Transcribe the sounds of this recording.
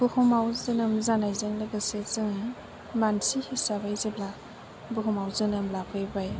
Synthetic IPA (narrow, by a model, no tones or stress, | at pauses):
b̥uhumawzɯnɯmzanajzɯŋlɯɡasezɯŋ | mansihisabajzebla | buɦumawzɯnɯmlapʰɯjbaj